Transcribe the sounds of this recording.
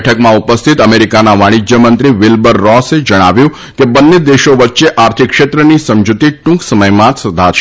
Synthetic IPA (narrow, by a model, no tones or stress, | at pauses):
ʈʰəkmãupəst̪ʰit̪əmeɾikanaʋaɽ̃id͡ʒjəmənt̪ɾiʋɪlbəɾːɔsed͡ʒəɽ̃aʋjũ | kebənːed̪eʃoʋətːʃeʔaɾt̪ʰikːʃet̪ɾənisəmd͡ʒut̪iʈũksəməjmãt̪səd̪ʱat͡ʃʰ